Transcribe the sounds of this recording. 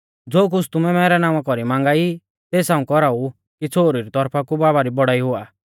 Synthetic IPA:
d͡zoːk̬ʊt͡sʰt̪ʊmɛmɛːɾɛnãːʊ̃ãkɔɾimãːŋ̆ɡai | t̪eːsãːũkɔɾau | kit͡sʰoːɾiɾit̪ɔɾpʰakubaːβaɾibɔɽaiɦʊaː

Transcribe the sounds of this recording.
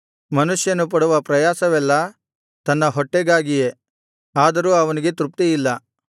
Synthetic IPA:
mɐnuʂjɐnup̬ɐɽuʋɐpɾɐjaːsɐʋɛlːɐ | t̪ɐnːɐɦɔʈːeɡaːɡije | aːd̪ɐɾuːɐʋɐniɡe̞t̪ɾup̚t̪ijilːɐ

